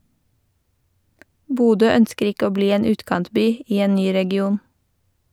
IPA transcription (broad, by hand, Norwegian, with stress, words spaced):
ˈbuːdøː ˈœnskəɾ ˈɪk ˈoː ˈbliː ˈeːn ˈʉːtkɑntˌbyː ˈiː ˈeːn ˈnyː ɾɛɡɪˈuːn